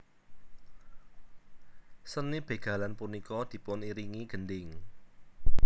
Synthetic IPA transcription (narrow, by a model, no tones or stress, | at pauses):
sənib̥e̤ɡ̥ä̤lanpunikɔd̪̥i̤pʊniɾiŋiɡ̥ə̤ndɪŋ